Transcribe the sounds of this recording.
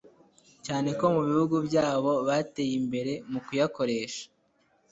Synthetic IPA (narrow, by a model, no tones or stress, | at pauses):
caːne̞ko̞muβihuɡubɟaːβo̞βate̞ːjimbe̞ɾe̞mukujako̞ɾe̞ːʃḁ